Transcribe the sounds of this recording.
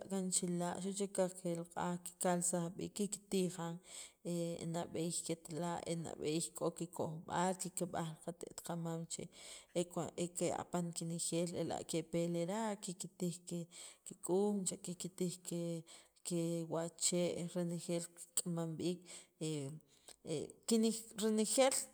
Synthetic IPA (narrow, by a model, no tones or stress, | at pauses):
aʔkant͡ʃilaʔʃuʔt͡ʃekakelaqʼaki̥kalsaχɓḭːkːiki̥t̪iχaŋenaɓexket̪laʔḛna̰ɓeixkʼokikoχɓalkikeɓaχlqat̪ḛʔt̪qamamt͡ʃḛekekea̰paŋkinexeːlela̰ʔkepeleɾaʔkikit̪iχkekikʼuːmt͡ʃaʔkikit̪iχke | kewat͡ʃeːʔɾenexeːlki̥kʼamamɓiːkḛ | kiniɾenexeːl